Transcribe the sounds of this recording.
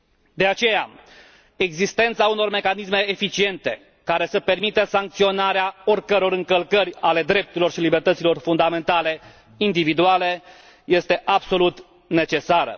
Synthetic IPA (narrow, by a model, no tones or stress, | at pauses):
d̪e̞at͡ʃe̞ja̰ | e̞ɡzist̪e̞nt̪sauno̞rme̞kanisme̞ːfit͡ʃie̞nt̪e̞ | kaɾe̞səpe̞rmit̪əsaŋk̚t̪sio̞naɾeao̞rkəɾo̞ɾɨŋkəlkərʲale̞d̪ɾe̞p̚t̪uɾilo̞rʃilibe̞rt̪ət̪silo̞rfund̪ame̞nt̪ale̞ | ind̪ivid̪uale̞ | je̞st̪e̞ʔabso̞lut̪ | ne̞t͡ʃe̞saɾə̰